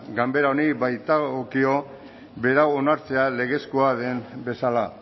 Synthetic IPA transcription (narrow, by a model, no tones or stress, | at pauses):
ɡambe̞ɾaoniβajt̪aɣokio̞ | be̞ɾaonaɾt͡se̞ale̞ɣe̞skoaðe̞mbe̞sala